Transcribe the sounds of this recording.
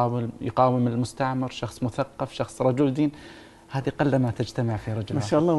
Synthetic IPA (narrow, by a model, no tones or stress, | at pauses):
ɑːwɪjqɑːwɪmɪlmʊst̪aʕmɪɾʃɑxsˤmʊθaqːɑfʃɑxsˤɾˤɑd͡ʒʊld̪iːn | haːðiqɑlːamat̪ad͡ʒt̪amaʕfiɾˤɑd͡ʒʊlmaʃaʔɑlˤːɑː